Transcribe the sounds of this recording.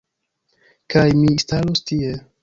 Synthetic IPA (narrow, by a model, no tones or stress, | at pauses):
kajmistalostie